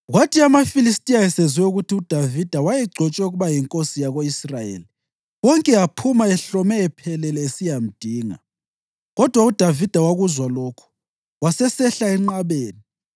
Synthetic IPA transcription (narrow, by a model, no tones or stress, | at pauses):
ɣwatʰiamafilistʼijajɛseziwɛuɣutʰiud̥ʱavid̥ʱawajɛɡ͡ǀʱɔt͡ʃʼwɛuɣuβajiŋkʼosijaɣoisrajḛːli | wɔŋkʼɛapʰumaɛɬɔmɛɛpʰɛlɛlɛesijam̩d̥ʱiːŋa̰ | ɣɔd̥ʱwaud̥ʱavid̥ʱawaɣuzwalɔːkʰu̥ | wasɛsɛɬaɛŋ͡ǃaβeːni